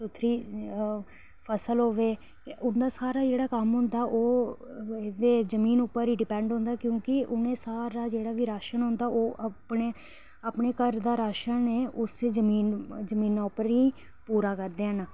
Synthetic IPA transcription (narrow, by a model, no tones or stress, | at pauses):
sʊt̪ʰɾiː | pʰəsəlɦoːʋeː | ʊnd̪aːsaːɾaːd͡ʒeːɽaːkəmɦʊ̃nd̪aːʔoː | d̪eːzəmiːnʊpːəɾiːɖɪpɛ̃ːɳɖɦʊ̃ːnd̪aːkjõːkɪʔʊnẽːsaːɾaːd͡ʒeːɽaːʋiːɾaːʃənɦʊ̃nd̪aːʔoːʔpɳeː | aːpɳeːkəɾd̪aːɾaːʃənneːʔʊseːd͡ʒəmiːnzəmiːnːaːʊpəɾiː | puːɾaːkəɾd̪eːɦənaː